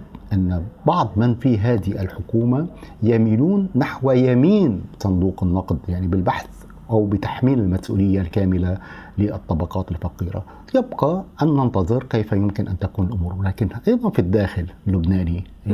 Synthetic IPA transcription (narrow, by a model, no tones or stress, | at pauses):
ʔanːbɑʕd̪ˤmɪnfiɦaːd̪ɪhiʔalħʊkuːmajamiːnuːnːaħwajamiːnbsˤɑnd̪uːqɪnːɑqd̪ˤjaʕnibɪlbaħθ | ʔawbɪt̪ḁħmiːnɪlmasʔṵːlɪjːalkaːmɪla | lɪʔɨt̪ˤːɑbɑqɑːt̪ɪlfɑqiːɾa̰ | jɪbqɑʔanːɑnt̪ɑðˤɨɾkejfajʊmkɪnʔant̪akuːnɪlʔʊmuːɾwɪlaːkɪnʔɑjd̪ˤɑnfid̪ːaːxɪllːʊbnaːni